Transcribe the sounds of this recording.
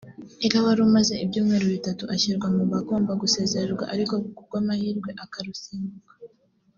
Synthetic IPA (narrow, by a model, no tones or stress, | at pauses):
eɾawaɾumaze̞ibjuːmŋe̞ːɾoβitatuʔaçiɾɡwamuβako̞ːmbaɡuse̞ːze̞ɾeɾɡwa̰ʔaɾiko̞ɡukuɾɡwaːmahiːɾɡwe̞ʔakaɾusiːŋuɡa